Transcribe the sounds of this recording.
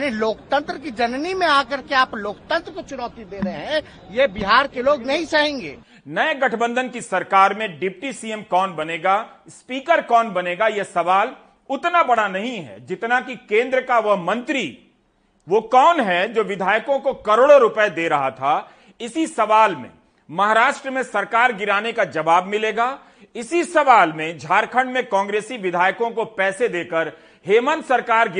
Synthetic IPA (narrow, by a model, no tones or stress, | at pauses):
neloːkt̪ə̃nt̪ɾəkid͡ʒɐnnimẽaːkɐɾkeaːploːkt̪ə̃nt̪ɾəkot͡ʃʊnɔːt̪id̪eːɾɐɦeɦɛ̃ | jebɪɦaːɾkeloːɡnɐɦĩsaɦẽːŋɡḛː | nɐeɡɐʈʰbə̃nd̪ʱənkisɐɾkaːɾmẽɖɪp̚ʈisiːemkɔːnbɐneːɡa | spiːkəɾkɔːnbɐneːɡajesɐʋaːl | ʊt̪nabɐɽanɐɦĩɦɛ̰d͡ʒɪt̪nakikẽːnd̪ɾəkaʋɐɦmɐ̃nt̪ɾi | ʋokɔːnɦɛd͡ʒoːʋɪd̪ʱaːjkõkokɐɾoːɽoɾʊpəed̪eːɾɐɦat̪ʰaː | ɪsisɐʋaːlmḛ̃ | mɐɦaːɾaːʃʈɾəmẽsɐɾkaːɾɡɪɾaːnekad͡ʒɐʋaːbmɪleːɡaː | ɪsisɐʋaːlmẽd͡ʒʱaːɾkʰə̃ɳɖmẽkɔ̃ːŋɡɾeːsiʋɪd̪ʱaːjkõkopɛːsed̪eːkəɾ | ɦeːmənsɐɾkaːɾɡ